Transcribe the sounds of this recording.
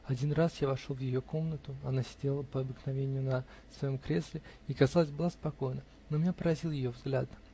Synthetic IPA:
ɐdʲinrasjavɐʂolˠvjɪjo̞ko̞mnət̪ʊɐnasʲɪ̥dʲelˠəpəɐbɨknɐvʲenʲɪjʊnə | svɐjo̞mkɾʲe̞slʲɪikɐzɑlˠəzʲbɨlˠaspɐko̞jnə | nomʲɪnʲapəɾɐzʲilˠjɪjo̞vzɡlʲad̪nə

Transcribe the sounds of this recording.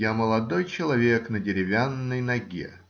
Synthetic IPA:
aməlˠɐd̪ojt͡ɕɪlˠɐvʲeknədʲɪɾʲɪvʲanːəjnɐɡʲḛ

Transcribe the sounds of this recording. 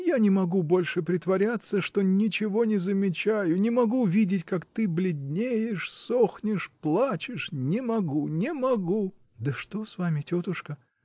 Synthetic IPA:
janʲɪmɐɡubo̞lʲʂɨpɾʲɪt̪vɐɾʲat̪sːəʂt̪o̞nʲɪt͡ɕɪvo̞nʲɪzəmʲɪt͡ɕæjʊnʲɪmɐɡuvʲidʲɪtʲkakt̪ɨblʲɪdʲnʲejɪʂso̞xnʲɪʂplˠat͡ɕɪʂnʲɪmɐɡunʲɪmɐɡu | d̪əʂt̪o̞svamʲɪtʲot̪ʊʂkə

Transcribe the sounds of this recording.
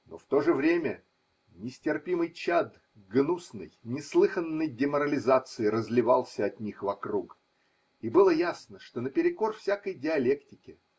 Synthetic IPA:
no̞̰ft̪o̞ʐɨvɾʲemʲə | nʲɪsʲtʲɪrpʲimɨjt͡ɕad̪ | ɡnusnɨ̰jnʲɪslˠɨxənːəjdʲɪməɾəlʲɪzat̪sɨɪɾəzlʲɪvalˠsʲəɐt̪nʲixvɐkruk | ibɨlˠəjasnəʂt̪o̞nəpʲɪɾʲɪko̞rfsʲakəjdʲɪɐlʲe̞ktʲɪkʲɪ

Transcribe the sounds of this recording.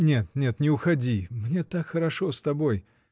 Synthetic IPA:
nʲe̞t̪nʲe̞t̪nʲɪʊxɐdʲimnʲet̪akxəɾɐʂost̪ɐbo̞j

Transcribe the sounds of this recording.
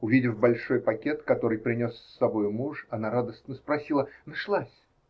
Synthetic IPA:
ʊvʲidʲɪfbɐlʲʂo̞jpɐkʲe̞t̪kɐt̪o̞ɾɨjpɾʲɪnʲo̞sːɐbo̞jʊmuʂɐnaɾad̪əst̪ʲnəspɾɐsʲilˠənɐʂlˠasʲ

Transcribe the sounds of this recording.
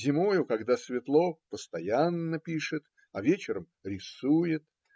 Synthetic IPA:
zʲɪmojʊkɐɡd̪asvʲɪt̪lˠopəst̪ɐjanːəpʲiʂɨt̪ | ɐvʲet͡ɕɪɾəm | ɾʲɪsujɪt̪̚

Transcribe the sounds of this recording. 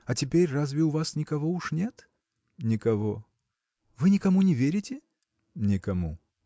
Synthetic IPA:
ɐtʲɪpʲeɾʲrazvʲɪʊvasnʲɪkɐvouʂnʲet̪ | nʲɪkɐvo | vɨnʲɪkɐmunʲɪvʲeɾʲɪtʲɪ | nʲɪkɐmu

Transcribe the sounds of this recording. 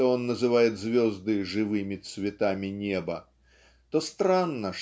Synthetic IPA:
ɔɔnːɐzɨvajɛd̪zʲvʲɔzd̪ɨʐɨvɨmʲit̪svʲɛt̪amʲinʲɛbɐ | t̪ɔst̪ɾanːɐʂ

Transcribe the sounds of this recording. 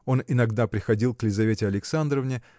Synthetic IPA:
o̞nɪnɐɡd̪apɾʲɪxɐdʲilˠklʲɪzɐvʲetʲɪɐlʲɪksand̪ɾəvnʲɪ

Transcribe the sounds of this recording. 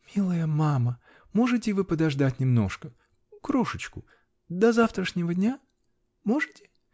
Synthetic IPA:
mʲilˠəjəmamə | mo̞ʐɨtʲɪvɨpəd̪ɐʐd̪atʲnʲɪmno̞̰ʂkə | kɾo̞ʂɨt͡ɕkʊ | d̪ɐzaft̪ɾəʂnʲɪvədʲnʲa | mo̞ʐɨtʲɪ̥

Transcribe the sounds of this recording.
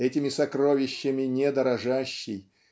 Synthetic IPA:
ɛtʲɪmʲɪsɐkɾo̞vʲɪɕːɪmʲɪnʲɛd̪əɾɐʐaɕːɪj

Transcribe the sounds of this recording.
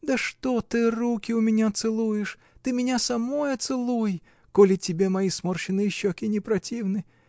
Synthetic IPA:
d̪əʂt̪ot̪ɨrukʲɪʊmʲɪnʲat̪sɨlˠujɪʂ | t̪ɨmʲɪnʲasɐmo̞jɐt̪sɨlˠuj | kolʲɪtʲɪbʲemɐjismorɕɪnɨjɪɕːokʲɪnʲɪpɾɐtʲivnɨ

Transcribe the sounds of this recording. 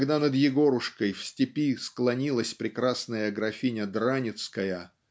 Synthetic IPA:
ɡd̪anəd̪jɪɡo̞ɾʊʂkəjfsʲtʲɪpʲisklˠɐnʲilˠəsʲpɾʲɪkɾasnəjəɡɾɐfʲinʲəd̪ɾanʲɪt̪skəjə

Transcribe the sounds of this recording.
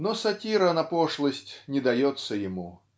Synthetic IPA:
nɔsɐtʲiɾənɐpoʂlˠəsʲtʲnʲɪd̪ɐjɔt̪sːəjɪmu

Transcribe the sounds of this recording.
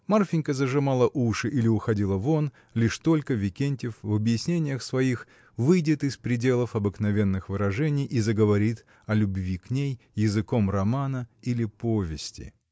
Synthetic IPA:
marfʲɪnʲkəzəʐɨmalˠəʔuʂɨʔilʲɪʊxɐdʲilˠəvon | lʲiʂt̪o̞lʲkəvʲɪkʲenʲtʲɪfvɐbjɪsʲnʲenʲɪjəxsvɐix | vɨjdʲɪt̪ɨspɾʲɪdʲe̞lˠəfɐbɨknɐvʲe̞nːɨxvɨɾɐʐɛnʲɪjʔizəɡəvɐɾʲit̪ | ɐlʲʊbvʲiknʲejːɪzɨko̞mrɐmanəilʲɪpovʲɪsʲtʲɪ̰

